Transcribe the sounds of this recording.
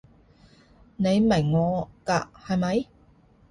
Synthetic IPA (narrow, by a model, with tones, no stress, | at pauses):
ne˨˧jmɐ˨˩ŋːɔː˨˧ka̰ː˧hɐ˨˧jmɐ˨˥j